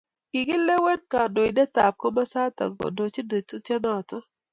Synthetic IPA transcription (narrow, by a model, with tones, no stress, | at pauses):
kɪ˨ɡɪ˦le˦wɛ˦nka˨do˨i˨dɛ˦ta˨p̚ko˦ma˦sa˦t̪a̰˨ɡɔ̰˨do˨t͡ʃi˦do˨tu˦te˦nɔ˦˨tɔ˦